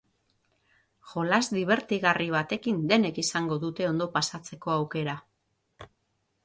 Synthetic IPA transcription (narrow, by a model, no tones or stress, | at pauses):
ʝo̞lazd̪iβ̞e̞ɾt̪iɣariβ̞at̪e̞kind̪e̞ne̞kisaŋɡo̞ðut̪e̞o̞nd̪o̞pasat͡se̞ko̞awke̞ɾa